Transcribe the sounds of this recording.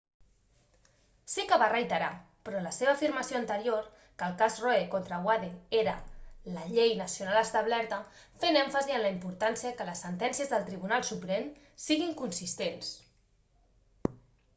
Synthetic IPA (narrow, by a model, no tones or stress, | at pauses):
sikəβ̞arəjt̪əɾa | pɾɔləseβəːfiɾməsioənt̪əɾioɾ | kəlˠkazroekont̪ɾəwaðeeɾələʎejnəsjunaləst̪əβlɛɾt̪ə | fenɛɱfəziənləimpuɾt̪ansiəkələsːənt̪ɛnsijəzðəlˠt̪ɾiβ̞unalˠsupɾem | siɣiŋkunsist̪ens